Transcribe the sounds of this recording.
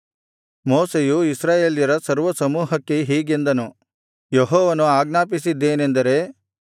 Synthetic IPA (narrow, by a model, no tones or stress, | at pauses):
mɔːsejuisɾaːjeːljɐɾɐsɐɾʋɐsɐmuːɦɐkːe̞ɦiːɡend̪ɐnu | jeɦɔːʋɐnuaːɡnaːpisid̪ːe̞ːne̞nd̪ɐɾe̞